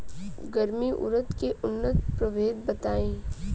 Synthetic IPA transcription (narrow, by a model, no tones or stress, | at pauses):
ɡəɾmiʔʊ̰ɾət̪keʔʊnːət̪pɾɐʋeːd̪̚bɐt̪aːẽː